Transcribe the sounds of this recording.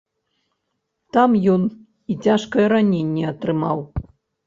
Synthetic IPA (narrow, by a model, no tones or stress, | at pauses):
t̪amjɔn | it͡sʲaʂkɐjɛɾanʲenʲːɛɐt̪ɾɨmaw